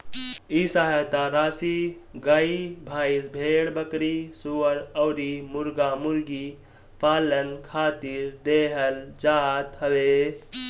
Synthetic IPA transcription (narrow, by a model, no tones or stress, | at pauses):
isaɦet̪aɾaːsi | ɡaibʱaːisbʱeɽbəkɾisuəɾəʊɾimuɾɡamuɾɡi | paːlənkʰaːt̪iɾd̪eɦəld͡ʒaːt̪ɦəʋe